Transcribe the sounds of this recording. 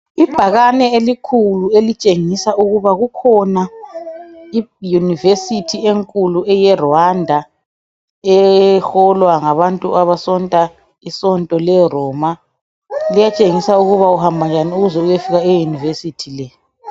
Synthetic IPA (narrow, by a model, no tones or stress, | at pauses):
ib̥ʱaɣanɛelikʰuluelit͡ʃʼeŋisauɣuβaɣukʰɔna | ijunivesitʰieŋkʼuluɛjɛrɔandʱa | ɛxɔlwaŋaβantʼuaβasɔntʼa | isɔntʼɔlɛrɔːma | lijat͡ʃʼeŋisauɣuβauhambʱand͡ʒʱaniuɣuzɛujefiɣaɛjunivesitʰilɛ